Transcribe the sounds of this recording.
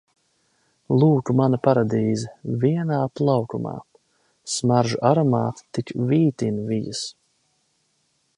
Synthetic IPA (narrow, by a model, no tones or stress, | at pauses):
lˠuːkumanɐpaɾad̪iːzɛviɛnaːt̪lˠawkuma̰ː | smaɾʒuʔaɾɔmaːt̪t̪ikviːt̪invijas